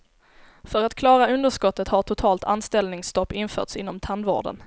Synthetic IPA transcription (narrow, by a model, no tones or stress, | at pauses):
fœɾat̪kʰlɑːɾaɵnd̪əʂkɔt̪ːət̪haʈʰʊt̪ʰɑːlt̪ʰanst̪ɛlnɪŋst̪ɔpːɪnfœ̰ːʈsɪnːɔmt̪ʰand̪vo̰ːɖə̰n